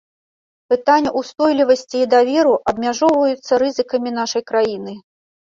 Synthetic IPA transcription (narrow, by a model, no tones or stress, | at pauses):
pɨt̪anʲːɐʔust̪ɔjlʲivɐsʲt͡sʲiːd̪avʲɛɾuʔɐbmʲaʐɔwvɐjut̪sːɐɾɨzɨkɐmʲin̪aʂɐjkɾajinɨ